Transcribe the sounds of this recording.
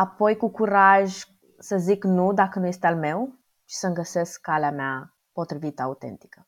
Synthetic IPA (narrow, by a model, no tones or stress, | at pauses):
apo̞jkukuɾaʒʲ | səziknud̪akənuje̞st̪ealme̞w | t͡ʃi̥səŋɡəse̞skːaleamea | po̞t̪ɾivit̪əaut̪e̞̰nt̪i̥kə